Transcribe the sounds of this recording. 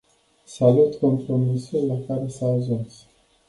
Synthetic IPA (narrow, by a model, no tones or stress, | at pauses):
salut̪kompɾomisulafaɾesazons